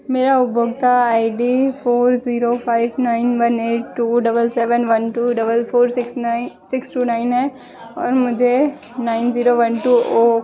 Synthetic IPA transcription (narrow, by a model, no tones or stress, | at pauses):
meːɾaʊbʱoːɡt̪aaːiɖiːpʰoːɾziːɾopʰaːɪʋnaːɪnʋɐneːʈ̚ʈuːɖɐbəlsɛːʋənʋɐnʈuɖɐbəlpʰoːɾskssɪksʈuːnaːɪnɦɛː | ɔːɾmʊd͡ʒʱe | naːɪnziːɾoʋɐnʈuːo